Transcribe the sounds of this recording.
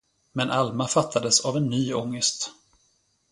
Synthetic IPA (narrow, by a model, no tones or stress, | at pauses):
mɛnʔalmafat̪ʰːad̪əsavɛnːyːɔŋːəst̪